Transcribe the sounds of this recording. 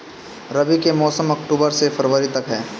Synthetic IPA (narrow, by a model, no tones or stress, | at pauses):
ɾɐʋikemɔːsəmɐkʈuːbəɾsefɐɾʋəɾit̪ɐkɦɛː